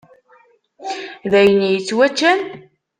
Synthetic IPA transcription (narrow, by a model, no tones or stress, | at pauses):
ðæjənjət͡sːwæt͡ʃːæn